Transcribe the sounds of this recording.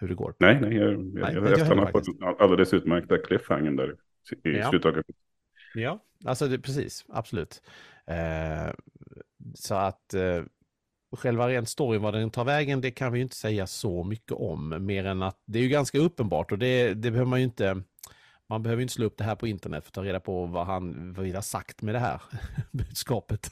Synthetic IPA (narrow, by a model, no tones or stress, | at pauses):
hɵɖɛɡo̰ːɾnɛɪnɛjjɑj̰̪ɛ̰ɛnaafɔɪɛʔald̪ɛlɛsʉ̟ːt̪mæɾk̚t̪akʰlɪfha̰ŋːənd̪æ̰ɾ | ɪsʉt̪ʰɑːɡə | jɑː | a̰lsɔd̪ɛpʰɾɛsḭːsa̰b̥sɔlʉ̟ːt̪ː | sɔat̪ | ɧɛlvaɾeːnt̪st̪ɔɾjənvad̪ɛnt̪ʰɑːɾvɛːɡənd̪ɛkʰanvɪjʏɪnt̪ə̥sɛjːasɔmʏkːə̰ʔɔ̰mːeːɾɛnat̪̚d̪ɛæːjɵɡanskaɵpːənbɑ̰ːʈɔd̪ɛd̪ɛbɛhøːvəmanjʏɪnt̪ə | manbɛhøːəjʏnt̪əsloːɵp̚ːd̪ɛɦæːɾpʰɔɪnt̪əɳɛt̪fœɾt̪ʰɑːɾeːd̪apʰɔvaɦanvavɪːd̪hasa̰kt̪mɛd̪ɛɦæ̰ːɾbʉ̟ːd̪skɑːpət̪